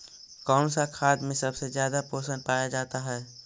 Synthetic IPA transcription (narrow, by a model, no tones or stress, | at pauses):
kɔːnsakʰaːd̪mẽsɐbsezjaːd̪apoːsən̚paːjad͡ʒaːt̪aɦɛː